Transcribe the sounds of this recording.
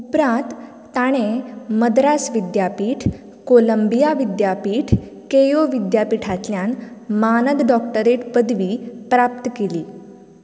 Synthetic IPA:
upɾãt̪ː | aɽ̃eməd̪ɾasʋid̪japiːʈʰ | koləmbijaʋid̪japiːʈʰ | kejoʋid̪japiʈʰat̪ljanmanəd̪ɖɔkʈəɾeʈpəd̪ʋiːpɾap̚t̪əkeliː

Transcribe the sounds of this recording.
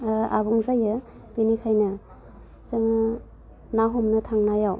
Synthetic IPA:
a̰buŋzajɯ | binikʰajnɯ | sɯŋɯ | naɦɔmnɯtʰaŋnajaw

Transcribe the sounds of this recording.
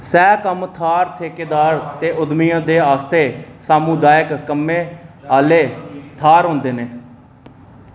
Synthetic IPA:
sɛːkəmt̪ʰaːɾt̪ʰeːkeːd̪aːɾt̪eːʔʊd̪mijãːd̪eːaːst̪eːsaːmũːd̪aːjɪkːəmːẽːaːleːt̪ʰaːɾɦõːnd̪eːneː

